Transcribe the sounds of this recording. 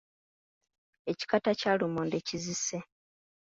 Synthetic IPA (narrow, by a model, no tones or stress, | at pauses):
e̞ci̥katacalumoːndecizise